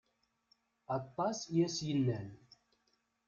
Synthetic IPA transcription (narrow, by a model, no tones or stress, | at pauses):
ɑt̪ˤːɑsjæsjənːæn